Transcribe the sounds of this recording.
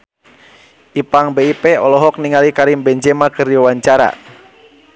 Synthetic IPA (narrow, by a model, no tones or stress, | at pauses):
ʔipaŋbɛipɛɔlɔɦɔk̚niŋalikaɾimbɛɲd͡ʒɛmakɨrdiwaɲt͡ʃaɾa̰